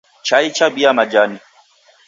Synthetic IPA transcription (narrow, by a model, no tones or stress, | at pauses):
t͡ʃait͡ʃabiamad͡ʒani